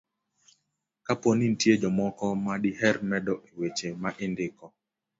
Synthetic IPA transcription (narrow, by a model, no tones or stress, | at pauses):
kaponin̩tjed͡ʒɔmɔkɔmaɗiɦɛɾmɛdɔʔewet͡ʃemaʔɪndɪkɔ